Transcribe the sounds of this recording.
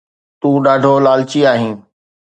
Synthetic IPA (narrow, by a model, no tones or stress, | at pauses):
t̪ũːɗaːɖʱoːlaːlt͡ʃiːaːɦĩː